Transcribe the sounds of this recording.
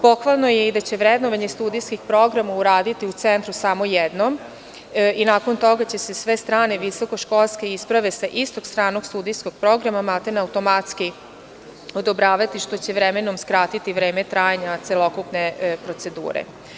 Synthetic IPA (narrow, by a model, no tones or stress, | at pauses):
po̞xʋalˠno̞jeid̪at͡ɕe̞ʋɾed̪noʋaɲest̪uːd̪ijskixpɾo̞ɡɾamauɾaːd̪it̪iut̪sent̪ɾusamo̞jed̪nom | inaːko̞nt̪o̞ɡat͡ɕe̞se̞sʋe̞st̪ɾaːne̞ʋiso̞ko̞ʃko̞lˠske̞ispɾaʋe̞saʔist̪o̞ɡst̪ɾaːno̞ɡst̪ud̪ijsko̞ɡ̥̚pɾo̞ɡɾamamalt̪enaut̪o̞mat̪ski | od̪o̞bɾaːʋat̪iʃt̪o̞t͡ɕe̞ʋɾemeno̞mskɾaːt̪it̪iʋɾeːmet̪ɾaːjaɲat̪selo̞kupnepɾo̞t̪se̞d̪ṵːɾḛ